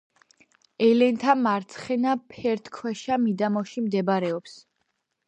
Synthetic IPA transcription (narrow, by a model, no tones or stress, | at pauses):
ɛlɛnt̪ʰamaɾt̪sʰχɛnapʰɛɾt̪ʰkʰwɛʃamid̪amɔʃimd̪ɛbaɾɛɔps